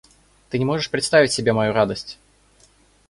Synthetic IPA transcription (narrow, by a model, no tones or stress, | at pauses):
t̪ɨnʲɪmo̞ʐɨʂpɾʲɪt̪st̪avʲɪtʲsʲɪbʲemɐjuɾad̪əsʲtʲ